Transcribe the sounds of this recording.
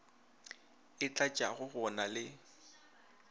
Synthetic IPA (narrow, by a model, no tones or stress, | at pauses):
ɪt͡ɬʼat͡ʃʼaɣʊɣɔnalɪ